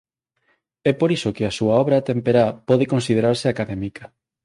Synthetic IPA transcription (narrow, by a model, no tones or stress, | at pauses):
ɛpoɾisokɪasuaɔβɾat̪empeɾapɔðekõnsið̞eɾaɾsɪakaðɛmikɐ